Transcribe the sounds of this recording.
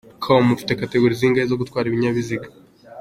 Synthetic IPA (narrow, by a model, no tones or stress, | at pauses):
kʰaomːufi̥te̞kate̞ɡuɾiziːŋɡaezo̞ɡutkwaːɾiβiɲaβiziɡa